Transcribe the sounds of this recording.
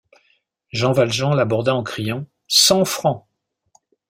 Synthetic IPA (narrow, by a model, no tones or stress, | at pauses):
ʒɑ̃valʒɑ̃labɔʁd̪aɑ̃kχijɑ̃ | sɑ̃fχɑ̃